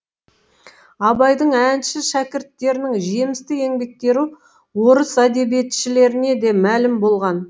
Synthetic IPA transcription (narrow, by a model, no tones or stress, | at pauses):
ɑbɑjd̪əɴænʃɪʃækʲɪɾt̪ːe̞ɾɪnɪŋʒe̞mɪst̪ɪe̞ŋbe̞k̚t̪e̞ɾu | wo̞ɾəsæd̪e̞bijet̪ʃɪle̞ɾɪne̞d̪e̞mælɪmbo̞lˠʁɑn